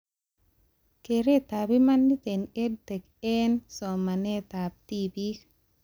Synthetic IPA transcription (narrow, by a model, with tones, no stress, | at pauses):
ke˨ɾe˦t̪a˨bima˦nːi˦t̪e˨ne˦d̚tɛ˨k | ɛnsɔ˨ma˨ne˦t̪ab̚tibi˦